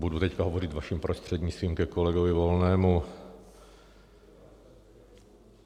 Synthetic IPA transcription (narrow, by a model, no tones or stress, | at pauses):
budut̪ɛckaɦovorɪt̪vaʃimpɾost̪r̝̥ɛd̪ɲɪt͡st̪viːmkɛkolɛɡovɪvolnɛːmu